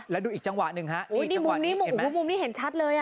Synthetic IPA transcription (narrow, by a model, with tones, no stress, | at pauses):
lɛː˦˥wduː˧ʔiː˨˩k̚t͡ɕa˧ŋwa˨˩nɯ˨˧˩ŋha˦˥ʔu˨˦˧niː˥˨˩mu˨˩mniː˦˥˩u˧˩˦m˩˦mu˧mniː˦˥˩ɦe˩˦nt͡ɕʰa˦˥t̪̚lɤː˧jʔa˧˩